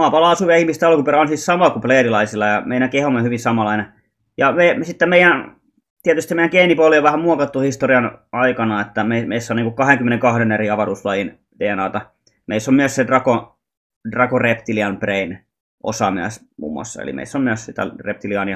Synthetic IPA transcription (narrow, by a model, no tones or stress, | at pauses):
mɑːpɑlɑɑsuʋeɑihmist̪ɑlkupeɾæonsissɑmɑkupleːrilɑisilːɑjɑmeinækehomːehyʋinsɑmɑlɑine | jɑmesit̪ːemeijæn | t̪iæt̪yst̪imeijæŋkeinipolioʋʋæhæmmuokɑt̪ːuhist̪oriɑnɑikɑnɑet̪ːæmeimeisːæoniːŋkukkɑheŋkymːeneŋkɑhɾeneriɑʋɑruːslɑjin | t̪eːnɑ̰ːt̪ɑ | meisːommyøssedrɑko | drɑkorept̪iliɑmprein | ʔo̰sɑmyæ̰s | mṵːmːuɑ̰sːɑ̰ḛlḭmḛisːommyøssit̪æ̰rep̚t̪iliɑni